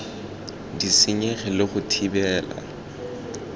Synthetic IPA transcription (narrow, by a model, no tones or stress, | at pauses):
disɪɲeχɪlɪχʊtʰibɛːla̰